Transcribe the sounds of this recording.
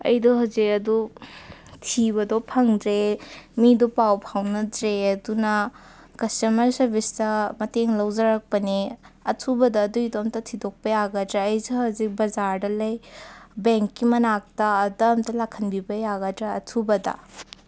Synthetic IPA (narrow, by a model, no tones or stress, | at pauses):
ɐ̰jdɔɦawzikɐdu | tʰibɐdɔpʰɐŋdɾemidopawpʰawnɐdɾeɐdunɐ | kɐstɐmɐɾsɐɾbistɐmɐteŋlɐwzɐɾɐk̚pɐniɐtʰubɐdɐːdujdomtɐtʰidɔk̚pɐjaɡɐdɾeɐjsihɐwzik̚bɐzaɾdɐlɐjbeŋkːimɐnak̚tɐːdɐmtɐlakʰːɐnbibɐjaɡɐdɾaɐtʰubɐdɐ̰